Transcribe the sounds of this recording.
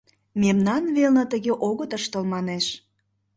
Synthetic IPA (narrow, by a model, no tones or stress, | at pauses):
memnɑnβelnə̆t̪əɣeʔoɣət̪əʃt̪ə̆lmɑneʃ